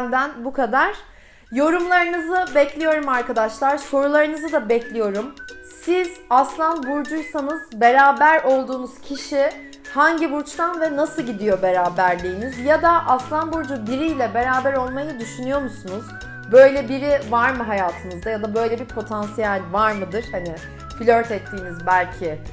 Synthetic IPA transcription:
nd̪ænbukʰad̪aɾ̥ | jo̞ɾumlˠaɾɯnɯzɯbɛclʲijo̞ɾumaɾkad̪aʃlˠaɾ̥so̞ɾulˠaɾɯnɯzɯd̪abɛclʲijo̞ɾumsizaslˠanbuɾd͡ʒujsanɯzbe̞ɾaːbæɾo̞lˠd̪uːnuz̥cʰiʃi | haɲɟiβuɾt͡ʃt̪anvɛnasɯlˠɟid̪ijo̞be̞ɾaːbæɾlʲijːnizjad̪aʔaslˠanbuɾd͡ʒubiɾijlʲɛbe̞ɾaːbæɾo̞lˠmajɯd̪yʃynyjo̞musunuz | bø̞jlʲɛbiɾivaɾmɯɦajaːt̪ʰɯmɯzd̪ajad̪abø̞jlʲɛbiɾpʰo̞t̪ʰansijælʲvaɾmɯd̪ɯɾ̥hani | filʲøɾt̪ɛt̪ʰːiːnizbælʲcʰɪ

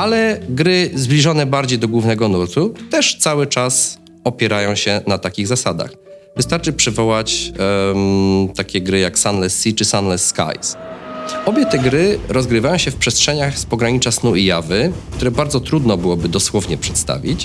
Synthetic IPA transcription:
alɛɡɾɘzblʲiʐɔnɛbaɾd͡ʑejd̪ɔɡwuvnɛɡɔnuɾt̪ut̪ɛʂt̪sawɘt͡ʂas | ɔpʲjɛɾajɔ̃w̃ɕɛnat̪akʲiɣzasad̪a̰x | vɨst̪aɾt͡ʂɘpʂɘvɔwat͡ɕ | t̪akʲɛɡɾɘjaksanlɛsːit͡ʂɘsanlɛsːka̰js | ɔbʲjɛt̪ɛɡɾɘɾɔzɡɾɘvajɔw̃ɕɛfpʂɛstʂɛɲaxspɔɡɾaɲit͡ʂasnuijavɘkt̪uɾɛbaɾd̪zɔt̪ɾud̪nɔbɘwɔbɘd̪ɔswɔvɲɛpʂɛ̥t̪st̪a̰vʲḭt͡ɕ

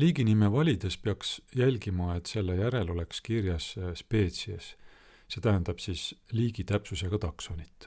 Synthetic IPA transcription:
liːɡinime̞vɑlʲid̪̥e̞speɑksjælʲɡimɑe̞t̪ːse̞lːejæɾe̞lo̞le̞kskirjɑsspe̞ːt̪siɑsː | e̞ːt̪æɦænd̪̥ɑb̥sisliːɡ̥it̪æpsuseɡ̥ɑt̪ɑkso̞nit̪ːˑ

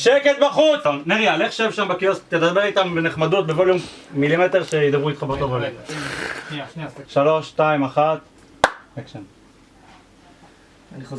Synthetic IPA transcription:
ʃeket̪̚baχut͡sneʁialeχʃevʃambekiost̪ːed̪abeʁit̪ambeneχmad̪ut̪̚bevoljommilimet̪eʁʃejid̪abʁuit̪χabeʁt̪ovala | ʃalo̞ʃːt̪aimaχat̪ | ekʃen

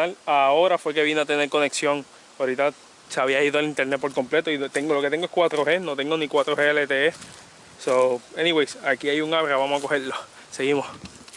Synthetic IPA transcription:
alao̞ɾafwe̞ke̞βinoat̪e̞neɾko̞ne̞ksjo̞ŋ | aɾit̪a | seaβiaiðoelint̪e̞ɾnet̪̚po̞ɾko̞mple̞t̪oiðt̪eŋɡolo̞ke̞t̪e̞ŋɡoekwat̪ɾohe̞no̞t̪eŋɡonikwat̪ɾoheelet̪ee | soeniwejsakiajuŋaβɾaβamohako̞heɾlo | se̞ɣimos

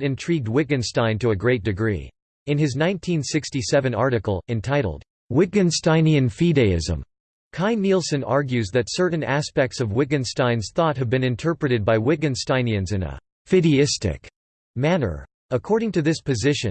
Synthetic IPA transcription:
ɾɨ̃ntʰɹ̥iɡ̚d̚wɪɡɨ̃nstãɪ̃ntɨɨɡɹeɪt̚d̥ɨɡɹḭ | ɨ̃nɨznãɪ̃ntʰĩnsɪkstisɛvɨ̃nɑɹɾɨkl̩ˠɨ̃ntʰaɪɾl̩ˠd̥̚ | wɪɡɨ̃nstãɪ̃niɨ̃nfiɾeɪɪ̰zə̰̃m | kʰãɪ̃nːilˠsɨ̃nɑ̰ɹɡjʉzðɨtsɜ˞ʔn̩æspɛk̚tsʌvwɪɡɨ̃nstãɪ̃nz̥θɔt̚ɦɨvbɨ̃nɨ̃ntʰɜ˞pɹɨɾɨd̚baɪwɪɡɨ̃nstãɪ̃niɨ̃nzɨ̃nə̰ | fɪɾiɪstɪ̰k | mænə̰˞ | əkʰɔɹɾɪ̃ŋtɨðɪspʰɨzɪʃɨ̰̃n

